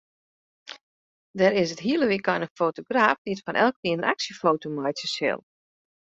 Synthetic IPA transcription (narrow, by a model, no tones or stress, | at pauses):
dɛɾɪsətɦiəlˠəʋikɔjnəfoːtoɡraːfdiətfɔnʔɛ̰lˠkliənəaksjəfoːtomajtəsɪ̰lˠ